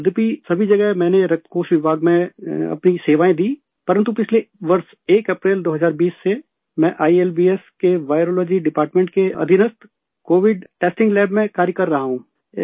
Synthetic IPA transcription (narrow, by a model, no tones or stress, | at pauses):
d̪pisɐbʱid͡ʒɐɡɛɦmɛ̃ːneɾɐk̚t̪ʰkoːʃʋɪbʱaːɡmẽɐ̰pniseːʋaːẽd̪iː | pɐɾə̃nt̪upɪt͡ʃʰleʋɐɾs | eːkɐpɾeːld̪oːɦɐzaːɾbiːsːe | mɛ̃ʔaːielbiːeskeʋaːɪɾoːloːd͡ʒiɖɪpaːɾʈmẽɳʈ̚keɐ̰d̪ʱɪnəst̪ | koːʋɪɖʈeːsʈɪ̃ŋɡlɛːbmẽkaːɾjəkɐɾːɐɦaɦũː